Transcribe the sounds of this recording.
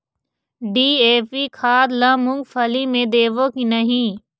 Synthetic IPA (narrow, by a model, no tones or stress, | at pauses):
ɖiːeːpikʰaːd̪lãːmʊ̃ŋɡfʰɐlimẽd̪eːʋõkinɐɦĩ